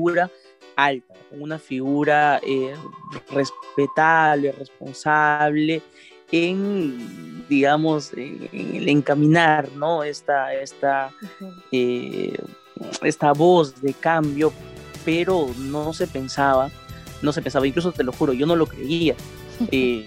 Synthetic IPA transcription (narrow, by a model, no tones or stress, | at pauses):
iuuɾa | alt̪akoŋunafiɣuɾaere̞spe̞t̪aβle̞re̞spo̞̰nsaβle̞ | eŋ | d̪iɣamo̞sḛḛŋḛle̞ŋkamĩnaɾno̞est̪aest̪a | e | est̪aβo̞zðe̞kambjo̞peɾo̞nose̞pe̞nsaβa | no̞s̬e̞pens̬aβaiŋklus̬ot̪e̞lo̞xuɾo̞ʝo̞no̞lo̞kɾe̞̰ia | e